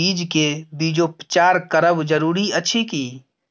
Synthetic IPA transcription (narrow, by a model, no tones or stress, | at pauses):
iːd͡ʒkebiːd͡ʒopət͡ʃaːɾkəɾəbd͡ʒəɾuːɾiɐtːʃʰikiː